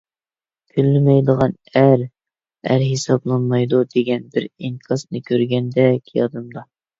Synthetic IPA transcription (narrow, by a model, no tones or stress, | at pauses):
kʰʲylːɪmɛjd̪əʁɑn | æɾ | æ̰ɾɦesɑblˠɑnmɑjd̪ud̪eɡʲɛnbɪɾiŋkʰɑsnɨkʲʰøɾɡʲɛnd̪ɛkʲʰijɑd̪ɨmd̪ɑ